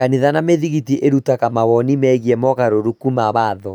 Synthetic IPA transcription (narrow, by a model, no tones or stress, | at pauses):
kaniðanameðiɣitiʔeɾutakamawɔnimɛɣiɛmɔɣaɾoɾukumaβaːðɔ